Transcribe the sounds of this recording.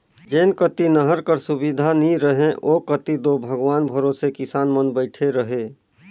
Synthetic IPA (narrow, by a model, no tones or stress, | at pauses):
d͡ʒeːnkət̪inəɦəɾkəɾsʊbid̪ʱaniɾəɦẽʔokət̪id̪obʱəɡʋaːnbʱəɾoːsekɪsaːnmənbəɪʈʰeɾəɦeː